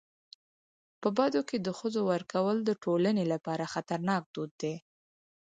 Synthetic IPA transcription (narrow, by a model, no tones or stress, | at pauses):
pəbad̪oked̪əxəzowəɾkawəld̪əʈolanelapɑɾaxat̪aɾnɑk̚d̪od̪ːe